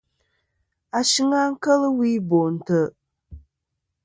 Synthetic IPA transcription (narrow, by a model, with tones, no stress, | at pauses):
a˨ʃi˦ŋa˦ŋ̩˦kə˦lɨ˦wi˦bo˨n̩˨tə˦